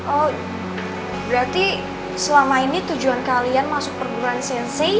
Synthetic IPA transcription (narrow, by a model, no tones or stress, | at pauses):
ʔɔ | bɾat̪i | səlamainit̪ud͡ʒuankalianmasʊk̚pərɡuɾaansɛnse